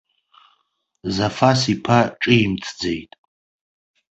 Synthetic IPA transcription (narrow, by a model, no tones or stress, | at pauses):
zafasipʰaʈ͡ʂʼɨimt͡sʰd͡zejtʼ